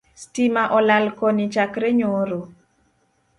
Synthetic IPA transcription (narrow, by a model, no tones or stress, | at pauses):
stimaʔɔlalkonit͡ʃakɾɛɲoɾo